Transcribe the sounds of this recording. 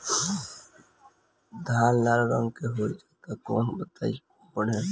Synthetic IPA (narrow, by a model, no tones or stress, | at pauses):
d̪ʱaːnlaːɾɾə̃ŋɡkeɦoːd͡ʒat̪akɔ̰ːnbət̪a̰ːi | pəɽ̤e